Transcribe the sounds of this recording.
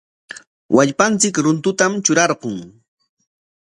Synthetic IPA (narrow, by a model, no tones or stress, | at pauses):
wʔaʎpant͡sɪkɾʊnt̪ʊt̪amt͡ʃʊɾɑɾqoŋ